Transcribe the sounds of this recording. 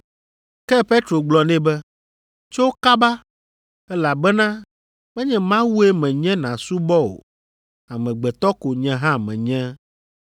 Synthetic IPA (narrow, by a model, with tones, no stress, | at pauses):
kɛ˦pe˦t̪ɾo˨ɡ͡blɔ˨nɛ̃˦bɛ˦ | t͡ʃo˦wo˦ka˦ba˦ | ɛ˦la˨bɛ˦nã˦ | mɛ̃˦ɲɛ̃˦mã˦wu˦e˦mɛ̃˨ɲɛ̃˦nã˨su˦bɔ˦o̰˨ | a˨mɛ̃˨ɡ͡bɛ˨t̪ɔ˦ko˨ɲɛ̃˨ɦã˦mɛ̰̃˨ɲɛ̃˦